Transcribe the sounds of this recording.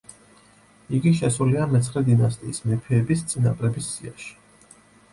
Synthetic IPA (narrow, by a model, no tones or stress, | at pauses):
iɡiʃɛsuliamɛt̪sʰχɾɛd̪inast̪ʼḭːsmɛpʰɛːbist̪sʼinapʼɾɛbisːia̰ʃi̥